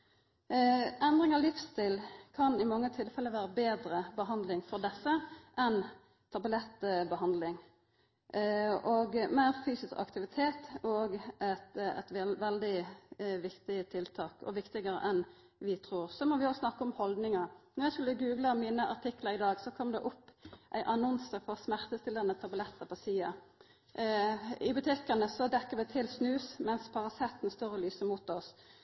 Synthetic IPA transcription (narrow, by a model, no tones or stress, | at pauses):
ɛnd̪ɾɪŋɑlɪfst̪iːlkʰɑnɪmɑŋːət̪ʰɪlfɛlːəʋæːɾəbeːd̪ɾəbəɦɑnd̪lɪŋfɔɾd̪ɛsːəʔɛn | t̪ʰɑbəlɛt̪ːbəhɑnd̪lɪŋ | ɔɡmæɪɾfyːsɪskɑ̰kt̪ɪʋɪt̪ʰeːt̪ɔɡæt̪ɛ̰t̪ʋɛld̪ɪʋɪkt̪ɪət̪ʰɪlt̪ʰɑːkɔ̰ʋɪkt̪ɪɡəɾə̰ʔɛn | ʋɪt̪ʰʁuːɾsɔmɔʋɪɔsnɑkːəɔmhɔld̪nɪŋɑɾnɔʁjæskʉlːəɡʉːɡlɑmiːnəʔɑ̰ʁʈ̪ʰɪkːləɾɪd̪ɑːɡsɔkʰɔmd̪ɛ̰ʔɔpːʔæ̰ɪʔɑnɔnsəɾfɔʁsmæʁt̪əst̪ɪləʁnət̪ʰɑbʊlɛt̪ʰːəpʰɔsiːɑ | ɪbʉt̪ʰɪkɑnəsɔd̪ɛkːəɾʋɪt̪ʰɪlsnʉːsmɛnspʰɑʁɑsɛt̪ːnst̪œʁəlyːsəmuːt̪ɔs